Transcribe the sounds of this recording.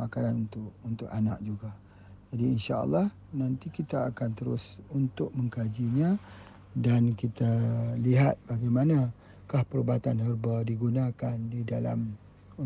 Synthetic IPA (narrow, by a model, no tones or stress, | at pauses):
akananunt̪ʊʔunt̪ʊkana̰k̚d͡ʒuɡa | d͡ʒadiinʃaə̰lːɑh | nãnt̪ikit̪aːkant̪əɾʊ̰sunt̪ʊʔ̚mə̃ŋkad͡ʒiɲã | dankit̪aliɦat̪̚b̥aɡajmanã | kahpəɾbat̪anhərbadiɡunakandidala̰m | u